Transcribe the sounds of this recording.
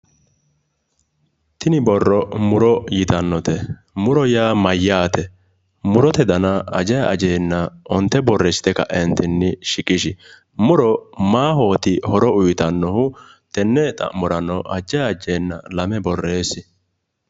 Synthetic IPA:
t̪ɪnɪbɔrːɔmʊɾɔjɪt̪ɐnːɔt̪ɛ | mʊɾɔjaːmɐjːaːt̪ɛ | mʊɾɔt̪ɛd̪ɐnɐɐd͡ʒɐjʔɐ̰d͡ʒeːnːɐɔnt̪ːɛbɔrːɛsɪ̥t̪ɛkɐ̰ʔɛnt̪ɪnːɪʃɪkʼɪʃɪ | mʊɾɔmaːɦo̞ːt̪ɪhɔɾɔʊjt̪ɐnːɔhʊ | t̪ɛnːɛt̪ʼɐ̰ʔmɔɾɐnːɔʔɐd͡ʒːɐjɐd͡ʒeːnːɐ̰lɐmɛbɔrːeːsɪ

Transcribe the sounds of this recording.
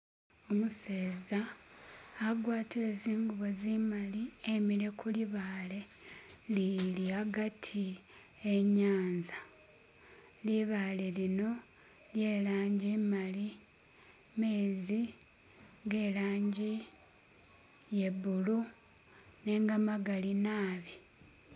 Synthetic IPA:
omuseːzaː | ɡwaːtieːziːŋɡuβo̞zimaliemiɾe̞kuliβaːle̞liliaɡatʰi | eɲaːnza | liβaːle̞lino̞ | lje̞ːlaːɲɟimali | me̞ːzi | ŋɡe̞ːlaːɲɟi | je̞βulu | ne̞ːŋɡamaɡalinaːβi

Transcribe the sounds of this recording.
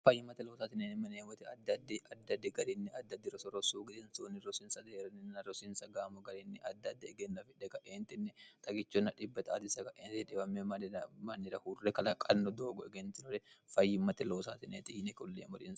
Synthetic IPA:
fɐjːɪmɐt̪ɛloːsaːt̪ɪneːnɪmɐneːwɔt̪ɛɐd̪ːɐd̪ːɛɐd̪ːɐd̪ːɛɡɐɾɪnːɪɐd̪ːɐd̪ːɪɾɔsɔɾɔsuːɡɪd̪ɛnsoːnɪɾɔsɪnsɐd̪eːɾɐnɪnɐɾɔsɪnsɐɡaːmɔɡɐɾɪnːɪʔɐd̪ːɐd̪ːɛɛɡɛnːɐfɪᶑɛkɐʔeːnt̪ɪnːɛt̪ʼɐɡɪt͡ʃːɔnːɐᶑɪbːɐt̪ɐa̰ːt̪ɪsɐkɐʔeːnt̪ɪᶑɛbɐmːemɐnmɐnːɪɾɐhurrɛkɐlɐkʼɐnːɔd̪oːɡɔɛɡɛnt̪ɪnɔɾɛfɐjːɪmɐt̪ɛloːsaːt̪ɪneːt̪ɪhɪnɛkɔlːḛːmɔɾin

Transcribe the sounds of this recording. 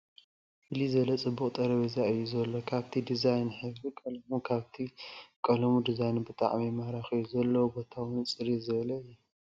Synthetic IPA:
bɨlizɐlɐt͡sʼɨbːukʼt̪ʼɐɾɐβizaɨjːuzɐlːokʰaβt̪ʰid̪izajnħɨβɾikʼɐlɐmukʰaβt̪ʰikʼɐlɐmud̪izajnbɨt̪ʼa̰ʕmimaɾaxiuzɐlːɐwubo̞t̪ʰawɨnt͡sʼɨɾizɨβlɐɨjːɛ

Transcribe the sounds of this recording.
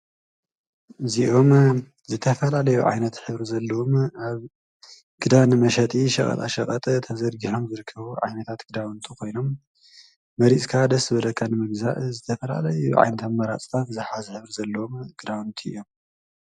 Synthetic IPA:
ʔɨziʔo̞m | zɨt̪ʰɐfɐlalɐjuʕa̰jnɐt̪ħɨβɾizɐlːɐwomʔaβ | ɡ̥ɨd̪anɨmɐʃɐt̪ʼiʃɐχʼɐ̰t̪ʼa̰ʃɐχʼɐt̪ʼt̪ʰɐzɐd̪ɡiħo̞mzɨɾɨkʰːɐβuʕa̰jnɐt̪ʰat̪ɡ̥ɨd̪awɨnt̪ʰukʰo̞jno̞mː | ɐɾit͡sʼkʰad̪ɐsbɐlɐkʰːanɨmɨɡzaʔzɨt̪ʰɐfɐla̰lɐjuʕa̰jnɐt̪ʰɐmːɐɾa̰t͡sʼt̪ʰat̪zɨħazɨħɨβɾizɐlːɐwomɡ̥ɨd̪awɨnt̪ʰiɨ̰jo̞m

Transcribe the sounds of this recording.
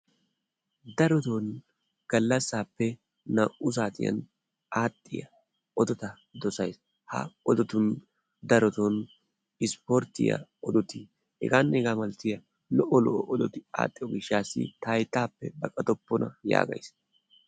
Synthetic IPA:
d̪ɐɾɔt̪on | ɡ̥ɐlːɐsːaːpːɛ | nɐʔʊs̬aːt̪ɪjɐ̰n | aːt̪ʼːɪjɐ | ɔd̪ɔt̪ɐ | d̪ɔsɐjs | hɐ̰ɔd̪ɔt̪ʊn | d̪ɐɾɔt̪on | ɪspɔɾt̪ɪ̰jɐ̰ɔd̪ɔt̪ɪ | hɛ̰ɡaːnːɛɛɡaːmɐlt̪ɪjɐ | lɔʔɔlɔʔɔʔɔd̪ɔt̪ɪa̰ːt̪ʼːɪjɔɡɪʃaːsːɪ̰t̪ɐjt̪ːaːpːɛ̰bɐkʼɐt̪ɔpːɔnɐ̰ja̰ːɡɐ̰js

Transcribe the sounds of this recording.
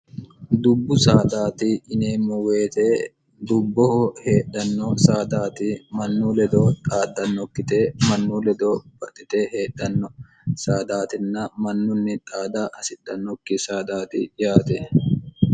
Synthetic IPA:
d̪ʊbːʊsaːd̪aːt̪ɪʔɪneːmʊweːt̪eː | d̪ʊbːɔhɔhe̞ːᶑɐnːɔsaːd̪aːt̪ɪmɐnːuːlɛd̪oːt̪ʼaːd̪ɐnːɔkːɪt̪eːmɐnːuːlɛd̪oːb̥ɐt̪ʼːɪt̪eːheːᶑɐnːɔ | saːd̪aːt̪ɪnːɐmɐnːʊnːɪt̪ʼaːd̪aːʔɐsɪᶑɐnːɔkːɪsaːd̪aːt̪ɪjaːt̪ɛ

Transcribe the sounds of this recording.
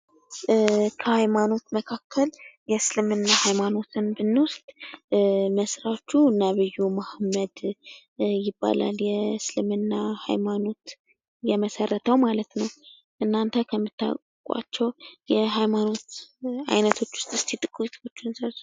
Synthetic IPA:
kʰəhajmano̞t̪məkʰakʰːəljɛsɨlɨmɨnːahajmano̞t̪ʰɨnbɨnːwʊst̪ʼ | məsɾat͡ʃːuɨnːaβɨjːumahmːəd̪ | jɪbːa̰la̰ljɛslɨmɨnːaha̰jmano̞t̪ | jɛməsərːət̪ʰəwmalət̪nəw | ʔɨnːant̪ʰəkʰəmːɨt̪ːa̰kʼ | kʼa̰t͡ʃːɛwjɛɦajmano̞t̪a̰jnət̪ʰo̞t͡ʃːwʊ̥st̪ɨst̪ʰit̪ʼɨkʼut̪ʰo̞t͡ʃːɪnsəls

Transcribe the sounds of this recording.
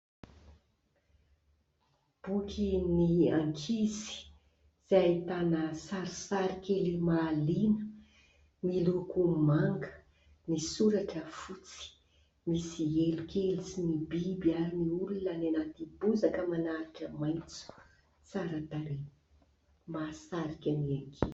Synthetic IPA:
b̥ukʲʰiniaŋkʰizi̥ | z̥ajt̪anəsaɾisaɾikʲelimaːlinə | milukumaŋɡə̥ | nisuɾaʈ͡ʂəfut͡si̥ | misielukʲelisinibibiaɾiniulunənanat̪ibuzakəmanaɾaʈ͡ʂəmajnt͡su̥ | t͡saɾət̪aɾe | masaɾikʲaniaŋkʰi

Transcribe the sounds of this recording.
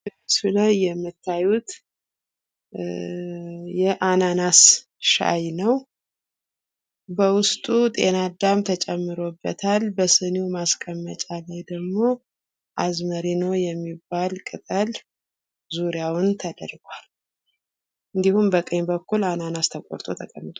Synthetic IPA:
ɨsunəjɛmːɨt̪ʰːajut̪ | jɛʔananas | ʃa̰jnəw | bəwʊst̪ʼut̪ʼe̞nad̪amt̪ʰət͡ʃʼɛmːɨɾo̞bːət̪ʰalbəsɨnumaskʼəmːət͡ʃʼalajd̪əɡmo̞ | ʔazməɾino̞jɛmːibːalkʼɨt̪ʼəl | zuɾjawʊnt̪ʰəd̪ə̰ɾɡʷal | ʔɨnd̪ihumbəkʼəɲbəkːulananast̪ʰəkʷʼoɾt̪ʼo̞t̪ʰəkʼəmːɨt̪ʼ

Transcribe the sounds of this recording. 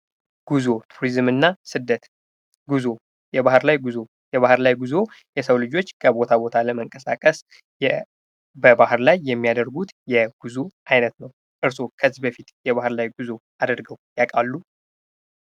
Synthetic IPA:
ɡ̥uzo̞t̪ʰuɾizmɨnːasɨd̪ːət̪ | ɡuzo | jɛbahɨɾlajɡuzo̞ | jɛβahɨɾlajɡuzo̞jɛsəwlɨd͡ʒo̞t͡ʃːkʰəbo̞t̪ʰabo̞t̪ʰaləməŋkʼəsakʼəs | bəbahɨɾlajːɛmːijad̪əɾɡut̪jɛɡ̥uzuʔajnət̪nəw | ʔɨɾso̞kʰəzbəfit̪jɛβahɨɾlajɡuzo̞ | ad̪əɾɡəwjakʼalːu

